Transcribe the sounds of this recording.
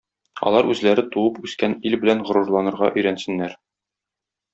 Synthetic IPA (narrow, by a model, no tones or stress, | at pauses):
ɒ̰lˠɑɾʉzlæɾɘt̪uwɤpʉskænilbɘ̆lænʁŏɾuɾlˠɑnɤ̆ɾʁɑ̰ʔɵ̆jɾænsɘ̆nːæɾ